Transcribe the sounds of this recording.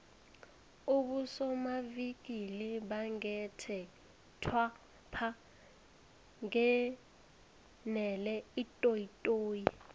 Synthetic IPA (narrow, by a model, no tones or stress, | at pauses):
uɓusɔmavik̬iliɓaŋɛtʰɛ | tʰwa | pʰa | ŋɛ | nɛlɛitʼoitʼoːji